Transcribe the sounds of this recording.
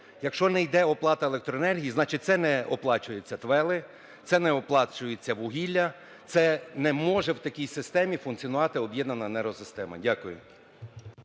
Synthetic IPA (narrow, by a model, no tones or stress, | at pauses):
jɐkʃt͡ʃɔnɛjd̪ɛɔplˠɑt̪ɐelɛkt̪ɾɔenɛrɦʲijiznɑt͡ʃɪt̚ʲt̪sɛnɛɔplˠɑt͡ʃʊjʊt͡sʲːɐt̪ʋɛlˠɪ | t̪sɛnɛɔplˠɑt͡ʃʊjʊt͡sʲːɐʋʊɦʲilʲːɐ | t̪sɛnɛmɔʒɛwt̪ɐkʲijsɪst̪ɛmʲifʊnt̪t͡s̪ʲijɔnʊʋɑt̪ɪɔbjɛd̪nɐnɐnɛɾɔsɪst̪ɛmɐ̰dʲakʊjʊ̰